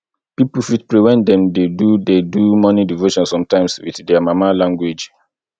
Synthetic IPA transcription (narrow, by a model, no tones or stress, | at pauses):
pipufit̚pɹiwɛ̃ndɛ̃mdedudedumɔnidivoʃɔ̃nsɔ̃mtãɪ̃mswḭddɛamamalãŋɡwed͡ʒ